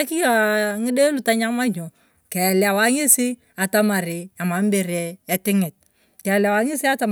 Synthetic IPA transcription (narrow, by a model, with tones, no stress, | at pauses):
a˦ki˦jaŋɪ˦de˦lʊ˨ta˦ɲa˦ma˦ɲo˨ | kɛ˨la˨wa˦ŋɪ˦sɪ˦ | a˨ta˦ma˨ɾɪ˨a˨ma˨mbɪ˨ɾɛ˦ɛ˨tɪ˦ŋɪ˨t̚ | kɛ˨la˨wa˦ŋɪ˦sɪ˦a˦ta˦m